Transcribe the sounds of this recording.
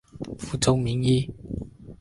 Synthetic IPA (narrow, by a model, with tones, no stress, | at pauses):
fu˨t͡so˨˧wmiː˨˥njiː˧